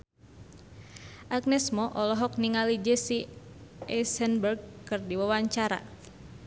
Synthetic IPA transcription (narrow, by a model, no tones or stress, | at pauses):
ʔaɡnɛsmɔʔɔlɔɦɔk̚niŋalid͡ʒɛsi | ɛsənbərɡ̚kɨrdiwawaɲt͡ʃaɾa̰